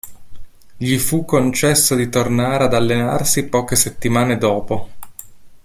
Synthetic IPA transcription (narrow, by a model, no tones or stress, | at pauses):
ʎifukːont͡ʃɛsːod̪it̪ornaːɾead̪alːena̰rsipɔːk̟eset̪ːimaːned̪ɔːpo